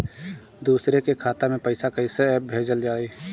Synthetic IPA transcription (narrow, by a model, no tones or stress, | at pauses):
d̪uːsɾekekʰaːt̪amẽpəɪsakɐɪseɛːp̚bʱeːd͡ʒəld͡ʒaːiː